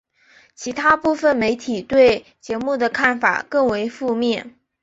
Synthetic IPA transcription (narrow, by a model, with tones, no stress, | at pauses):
t͡ɕʰi˧˥t̪ʰa˥pu˥˩fə˩nme˧˥ɪt̪ʰi˨˩t̪we˥˩ɪ | t͡ɕjɛ˧˥mu˥˩d̪ə˩kʰa˥˩nfa̰˨˩kɤ˥˩ŋwe˧˥ɪfu˥˧mjɛ˥˩n